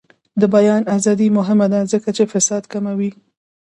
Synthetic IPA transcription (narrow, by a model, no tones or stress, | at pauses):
d̪əbajɑnazɑd̪imʊɦɪmad̪azəkat͡ʃefɪsɑd̪kamawi